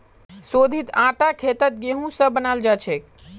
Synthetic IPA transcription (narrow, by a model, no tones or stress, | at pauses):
sod̪ʱit̪ãʈakʰet̪ət̪̚ɡeɦũsə̃bənald͡ʒat͡ʃʰɛk